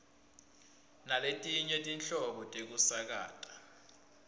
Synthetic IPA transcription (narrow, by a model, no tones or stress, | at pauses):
naletʼiɲetʼint͡ɬʼɔɓɔtʼek̬usak̬a̰ːtʼḁ